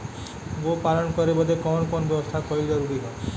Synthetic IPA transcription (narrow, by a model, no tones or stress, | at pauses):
bopalɔnkɔɾebɔd̪ekɔnɔkɔnɔbjɔbɔst̪ʰakɔid͡ʒɔɾuɾiɦɔ